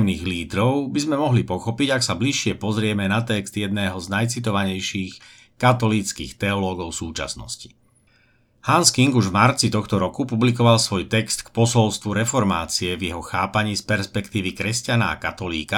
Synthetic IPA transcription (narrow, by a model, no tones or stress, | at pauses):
mniːɣliːd̪ɾɔʊbizmɛmɔɦlipɔxɔpiɟaksabliʃːɪɛpɔzɾɪɛmɛnat̪ɛkz̥d̪jɛd̪̚nɛːɦɔznajt͡sit̪ɔʋaɲɛjʃiːx | kat̪ɔlit͡skḭːxt̪ɛɔlɔːɡɔʊsuːt͡ʃa̰snɔ̰sci̥ | hanskiŋɡuʒvmaɾt͡sit̪ɔxt̪ɔɾɔkupublik̬ɔʋalsʋɔjt̪ɛkst̪kpɔsɔlst̪ʋuɾɛfɔɾma̰ːt͡siɛvjɛɦɔxaːpaɲiːspɛɾspɛkt̪iːʋikɾɛscanaa̰kat̪ɔlḭːka